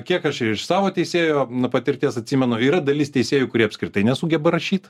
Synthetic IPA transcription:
kʲiɛkɐʃɪɪʃsɑːʋoːt̪ʲɛɪsʲeːjoːnʊpɐt̪ʲɪɾʲt̪ʲiɛsɐt̪ʲsʲimʲɛnʊiːɾɐd̪ɐlʲɪst̪ʲɛɪsʲeːjukʊɾʲiɛɐpskɾʲɪt̪ɐɪnʲɛsʊɡʲɛbɐɾɐʃʲiːt̪

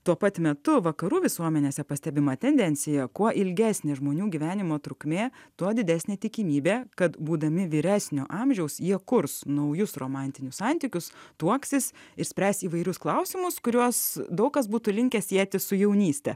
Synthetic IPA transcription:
t̪uɔpɐt̪ʲmʲɛt̪ʊʋɐkɐɾuːʋʲɪsuɔmʲɛnʲeːsʲɛpɐsʲt̪ʲɛbʲɪmɐt̪ʲɛnʲd̪ʲɛnʲsʲɪjɛkuɔʔɪlʲɡʲæːsʲnʲeːʒmoːnʲuːɡʲiːʋʲæːnʲɪmoːt̪ɾʊkmʲeːt̪uɔd̪ʲɪd̪ʲæːsʲnʲeːt̪ʲɪkʲiːmʲiːbʲeːkɐt̪buːd̪ɐmʲɪʋʲiːɾʲæːsʲnʲoːʔɑmʲʒʲɛʊsjiɛkʊɾsnɐʊjʊsroːmɑnʲt̪ʲɪnʲʊssɑnʲt̪ʲiːkʲʊst̪uɔksʲɪsɪɾsʲpʲɾʲæːsʲt̪iːʋɐɪɾʲʊsklˠɐʊsʲɪmʊskʊɾʲuɔsd̪ɐʊkkɐsbuːt̪ʊlʲɪŋʲkʲɛsʲiɛt̪ʲɪsʊjɛʊnʲiːsʲt̪ʲɛ̰

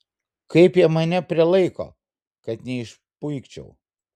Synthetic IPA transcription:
kɐɪpjɛmɐnʲɛpʲɾʲɪlˠɐɪko̰ː | kɐt̪nʲɛɪʃ | pʊɪkt͡ʃʲɛ̰ʊ

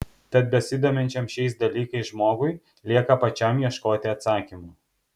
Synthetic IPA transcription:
t̪ɐt̪̚bʲɛsʲɪd̪oːmʲɛnʲt͡ʃʲɛmʃʲɛɪsd̪ɐlʲiːkɐɪsʒmoːɡʊɪ | lʲiɛkɐpɐt͡ʃʲɛmjiɛʃkoːt̪ʲɪɐt̪sɑːkʲimuː

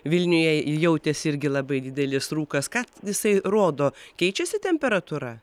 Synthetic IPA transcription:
ʋʲɪlʲnʲʊjɛjɛʊt̪ʲesɪɾʲɡʲɪlˠɐbɐɪd̪ʲɪd̪ʲɛlʲɪsruːkɐskɑːjɪsɐɪroːd̪oːkʲɛɪt͡ʃʲɛsʲɪt̪ʲɛmʲpʲɛɾɐt̪uɾɐ

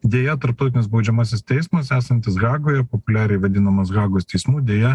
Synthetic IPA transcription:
d̪ʲeːjɛt̪ɐɾpt̪ɔʊt̪ʲɪnʲɪsbɒʊd͡ʒʲɛmɑːsʲɪst̪ʲɛɪsmɐsæːsɐnʲt̪ʲɪsɡɑːɡoːjɛpopʊlʲæːɾʲɛɪʋɐd̪ʲɪnɐmɐsɡɑːɡoːst̪ʲɛɪsmuːd̪ʲeːjɛ

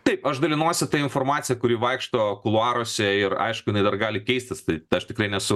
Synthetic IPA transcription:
t̪ɐɪpɐʃd̪ɐlʲɪnuɔsʲɪt̪ɐɪnfoːrmɑːt̪sʲɪjɛkʊɾʲiːʋɐɪkʃt̪oːkʊlˠʊɑːɾoːsʲɛɪrɐ̰ɪʃkʊjɪnɐɪd̪ɐrɡɑːlʲɪkʲɛɪsʲt̪ʲɪst̪ɐɪɐʃt̪ʲɪkɾɐɪnʲɛsʊ

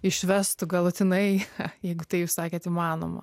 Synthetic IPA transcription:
ɪʃʲʋʲɛst̪ʊɡɐlˠʊt̪ʲɪnɐɪjɛɪɡʊt̪ɐɪjuːssɑːkʲeːt̪ɪmɑːno̰mɐ̰

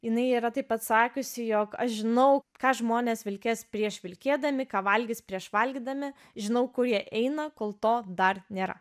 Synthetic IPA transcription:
jɪnɐɪiːɾɐt̪ɐɪpɐt̪sɑːkʲʊsʲɪjoːkɐʃʒʲɪnɐʊkɑːʒmoːnʲeːsʋʲɪlʲkʲespʲɾʲiɛʃʋʲɪlʲkʲeːd̪ɐmʲɪkɑːʋɐlʲɡʲɪspʲɾʲiɛʃʋɐlʲɡʲid̪ɐmʲɪ | ʒʲɪnɐʊkʊɾjiɛʔɛɪnɐkoːlˠt̪oːd̪ɐrnʲeːɾɐ̰

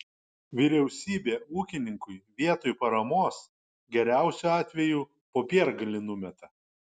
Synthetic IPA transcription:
ʋʲɪɾʲɛʊsʲiːbʲeːuːkʲɪnʲɪŋkʊɪʋʲiɛt̪oːjpɐɾɐmoːs | ɡʲɛɾʲæˑʊsʲuːɑːt̪ʲʋʲɛjuː | poːpʲiɛɾɡɐlʲɪnʊmʲɛt̪ɐ

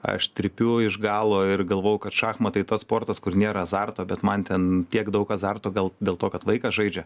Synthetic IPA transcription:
ɐ̰ʃt̪ʲɾʲɪpʲʊɪʒɡɑːlˠoːɪrɡɐlˠʋoːjʊkɐt̪ʃɑːxmɐt̪ɐɪt̪ɐspoːrt̪ɐskʊrnʲeːɾɐɐzɑrt̪oːbʲɛt̪mɐnt̪ʲɛntʲiɛkd̪ɐʊkɐzɑrt̪oːɡɐlˠdʲeːlˠt̪oːkɐt̪ʋɐɪkɐʒɐɪd͡ʒʲɛ

